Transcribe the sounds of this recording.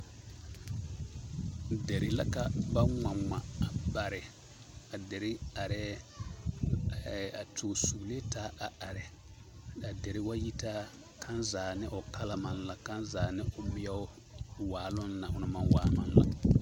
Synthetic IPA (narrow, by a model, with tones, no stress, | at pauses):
dɛ˨ɾɪ˨la˦ka˨ba˦ŋa˨ŋ͡ma˨a˨ba˨ɾɪ˨ | a˨dɛ˨ɾɪ˦a˨ɾɛ˦˨ | a˨tʰo˨su˨le˦taː˦a˨ʔa˨ɾɛ˨ | a˨dɛ˨ɾɪ˦wa˦ji˦ta˦ | kʰa˦nzaː˨nɪ˦ʔʊ˨ka˦la˨ma˨nla˨ka˦nzaː˨nɪ˦ʔʊ˦mɪ˦ɛ˦ʊ˦ | waː˨lʊ˦nna˨ʔʊ˨na˨ma˨nwaː˨˦ma̰˦nla̰˦